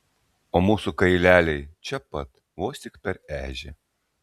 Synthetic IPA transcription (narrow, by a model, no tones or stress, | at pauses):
oːmuːsukɐɪlʲæːlʲɛɪt͡ʃʲɛpɐt̪ | ʋoːsʲt̪ʲɪkpʲɛɾæːʒʲɪ̰